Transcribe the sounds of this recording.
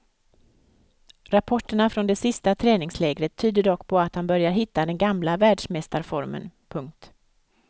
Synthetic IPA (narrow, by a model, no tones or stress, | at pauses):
ɾapʰɔʈːəɳafɾɔnd̪ɛsɪst̪at̪ʰɾɛːnɪŋslɛːɡɾət̪ʰːyːd̪əɖɔkːpʰɔat̪hanbœɾjaɾɦɪt̪ːad̪ɛnɡamlavæːɖʂmɛst̪aɾfɔɾmə̰npʰɵŋk̚t̪